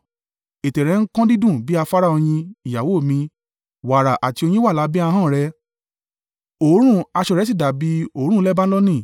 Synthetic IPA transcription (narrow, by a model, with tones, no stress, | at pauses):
e˨tɛ˨ɾɛ˨˦ŋ̩˦kã˦di˦dũ˦˨bi˦a˧fa˦ɾa˦o˧j̃ĩ˧i˨ja˨wo˨˦˨mĩ˧ | wa˨ɾa˨ʔa˨ti˧o˧j̃ĩ˦wa˦˨la˨˦bi˦a˧ɦãː˦˨ɾɛ˧˦ | o˨˦ɾ̃ũ˦˨a˧ʃɛ˧ɾɛ˨˦s̬i˦˨da˨bi˨˦o˨˦ɾ̃ũ˦lɛ˦ba˦ɔ˦nĩ˦˨